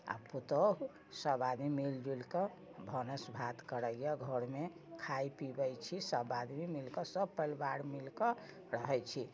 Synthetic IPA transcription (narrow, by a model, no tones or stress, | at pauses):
a̰put̪əɦ | səbad̪mimild͡ʒilkə | bʱənəsbʱat̪kəɾəjɔɡʱəɾmekʰajpibəjt͡ʃʰisəbad̪mimilkəsəbpəlbaɽmilkə | ɾəɦɛt͡ʃʰi